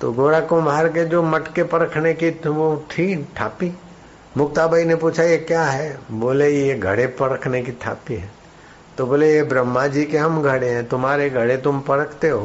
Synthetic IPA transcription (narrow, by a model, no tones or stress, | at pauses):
t̪o̰ɡoːɽakombʱaːɾked͡ʒoːmɐʈkepɐɾəkʰnekiʋoʈʰiːʈʰa̰ːpi | mʊk̚t̪abʱainepuːt͡ʃʰajekjaɦɛboːlejeɡʱɐ̰ɽepɐɾəkʰnekitʰa̰ːpiɦɛ̃ː | t̪oboːlejebɾəmːad͡ʒiːkeɦɐmɡʱɐɽeɦɛ̃ːt̪ʊmɦaːɾeɡʱɐɽet̪ʊmpɐɾəkʰt̪eɦoː